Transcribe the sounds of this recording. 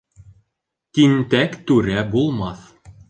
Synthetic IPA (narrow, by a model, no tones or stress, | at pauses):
t̪int̪ækt̪ʉɾæbulˠmɑθ